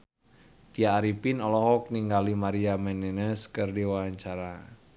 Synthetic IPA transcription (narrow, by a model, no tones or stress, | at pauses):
t̪iaːɾipinɔlɔɦɔk̚niŋɡalimaɾiamɛnɛnəskɨrdiwawaɲt͡ʃaɾa